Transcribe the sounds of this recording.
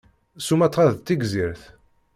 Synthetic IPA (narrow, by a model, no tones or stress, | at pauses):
sumæt̪ˤːʁɑðt̪ːiɡziɾθ